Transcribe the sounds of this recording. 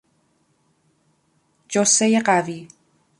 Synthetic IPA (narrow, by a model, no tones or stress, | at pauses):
d͡ʒosejeɢæviː